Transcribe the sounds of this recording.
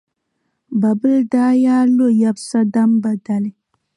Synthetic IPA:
ba˨bɨ˦ldaː˦jaː˦lo˦˨ja˨bsa˦da˦mba˨da˨lɪ˦

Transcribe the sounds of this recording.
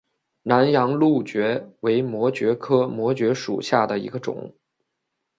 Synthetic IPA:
na˧˥njɑ˧˥ŋlu˥˩t͡ɕɥɛ˧˥we˧˥ɪmwɔ˧˥t͡ɕɥɛ˧˥kʰɤ˥mwɔ˧˥t͡ɕɥɛ˧˥ʂṵ˨˩ɕja˥˩d̪ə˩ḭ˧˥ɡə˧ʈ͡ʂʊ̰˨˩˦ŋ

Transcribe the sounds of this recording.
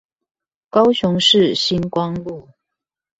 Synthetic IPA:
kɑ˥ʊɕʊ˧˦ŋʂɻ̩˥˩ɕi˥nkwɑ˥ŋlu˥˩

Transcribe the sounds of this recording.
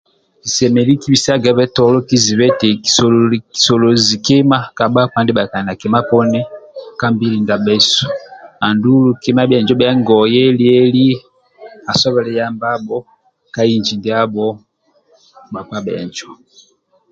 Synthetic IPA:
i˨sɛ˨mɛ˨li˦ki˦bi˨sa˦ɡɛ˨˦βɛ˦tɔ˨lɔ˦ki˦zi˨βɛ˦tɛ˨i˨sɔ˨li˨sɔ˨lɔ˨zi˨kɛ˦ma˦ka˨ɓa˦ka˦ndɛ˦ɓa˨ka˨na˨kɛ˨ma˦pɔ˦nɛ˦ka˦mbi˦li˨nda˨ɓɛ˦su̥˨a˨ndu˦lu˦kɛ˦ma˦bɛ˨nd͡ʒɔ˦bɛ˨˦ŋɡɔ˨jɛ˦li˦ɛ˦li˦ | a˨sɔ˦βɛ˨lɛ˦ja˦mba˦bɔ˦ | ka˦i˦nd͡ʒi˨ndi˦a˦bɔ˦ | ɓa˨ka˦bɛ˨nd͡ʒɔ˨

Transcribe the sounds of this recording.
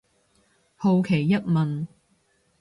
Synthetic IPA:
ho˧wkʰe˨˩jːɐ˥t̚mɐ˨n

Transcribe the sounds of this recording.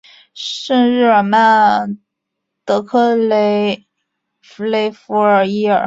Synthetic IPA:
ʂə˥˧ɻɻ̩˥˩ə˨˩ma˥˩n | t̪ɤ˧˥kʰɤ˥le˧˥ɪ | fu˧˥le˧˥ɪfu˧˥ə˞˨˩i˥ə̰˞˨˩

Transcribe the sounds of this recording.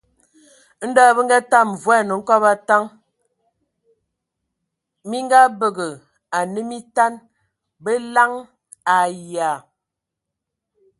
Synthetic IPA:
n̩˦da˦˨bə˦ŋ˦ɡa˦ta˦˨m˨vwɛ˦˨nə˨ŋ̩˦kɔ˦ba˦ta˦ŋ | mi˦ŋ˦ɡa˦bə˨ɡə˨ | a˨nə˦mi˦ta˦n | bə˦la˦ŋ | a˨ja˨

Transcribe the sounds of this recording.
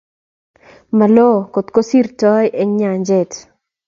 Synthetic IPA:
ma˨lɔ˦˨ko˨t̪ko˦si˦rtɔ˦jʔɛ˦ŋɲa˨ɲd͡ʒɛ˦˨t

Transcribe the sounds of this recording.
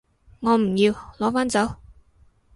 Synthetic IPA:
ŋɔː˨˧m̩˨˩jiː˧wlɔː˨˧˥faː˥nt͡sɐ˨˥w

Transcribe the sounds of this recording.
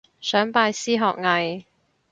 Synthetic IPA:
sœː˨˥ŋpaː˧jsiː˥ɦɔː˨k̚ŋɐ˨j

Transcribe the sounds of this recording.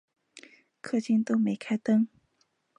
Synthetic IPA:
kʰɤ˥˧t͡ɕi˥˩nt̪o˥ʊme˨˥ɪkʰa˥ɪt̪ɤ˥ŋ

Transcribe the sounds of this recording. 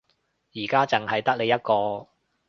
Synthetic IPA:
jiː˨˩kaː˥t͡sɪ˨˩ŋhɐ˨jt̪ɐ˥k̚le˨˧jɐ˥t̚kɔː˧

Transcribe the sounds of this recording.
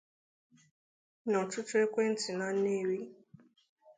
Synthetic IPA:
nɔ˨tʊ˦tʊ˦e˦kʷe˦n̩˦tɪ˨na˦ne˦˨ɾi˦

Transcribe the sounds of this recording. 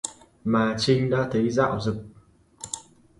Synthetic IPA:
maː˨˩t͡ɕï˧ŋ̟ɗa̰ː˧˥t̪ʰə˨˦jza̰ː˧˨wzɨ˨˩k̚

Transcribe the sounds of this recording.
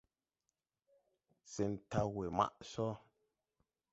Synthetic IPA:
se˨n̩˨ta˦we˨ma̰˦ʔsɔ˦

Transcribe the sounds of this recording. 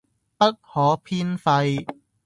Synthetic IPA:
pɐ˥t̚hɔː˨˥pʰiː˥nfɐ˧j

